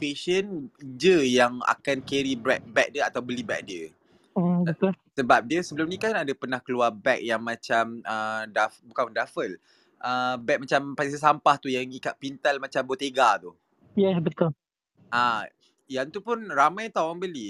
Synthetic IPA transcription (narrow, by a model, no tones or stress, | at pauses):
peʃənd͡ʒəjaŋa̰kankɛɾibɛk̚bɛk̚dəat̪awbəlibɛ̰k̚diə | bət̪ʊlsəbap̚diəsəbəlʊmnĩkanadapərnahkəluarbɛk̚jaŋmat͡ʃamədafbukanəndafəl | ʔəbɛk̚mat͡ʃampais̬əsampaht̪ujaŋikaʔ̪̚pint̪almat͡ʃambot̪eɡat̪u | jɛsbət̪ʊl | ʔa | jaŋt̪upʊnramãjt̪awaŋbəli